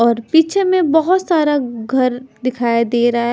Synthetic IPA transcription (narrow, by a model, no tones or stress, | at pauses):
ɔːɾpiːt͡ʃʰemẽbɐɦʊt̪saːɾaɡʱɐɾd̪ɪkʰaːjd̪eːɾɐ